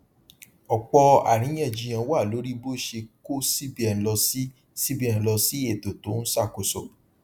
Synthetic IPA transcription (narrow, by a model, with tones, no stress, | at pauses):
ɔ˨k͡pɔ˧a̰˨ɾ̃ĩ˨˦j̃ɛ̃˦˨d͡ʒi˧j̃ã˧wa˦˨lo˨˦ɾi˦bo˦ʃe˧ko˦si˦bi˦ɛ˨n˨lɔ˧si˦ | si˦bi˦ɛ̃˨n̩˨lɔ˧si˦e˦˨to˨to˨˦n̩˦sa˦˨ko˨so˨